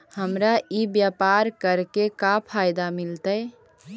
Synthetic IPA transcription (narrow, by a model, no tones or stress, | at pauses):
həmɾaibjapaɾkəɾkekapʰajd̪amilt̪əj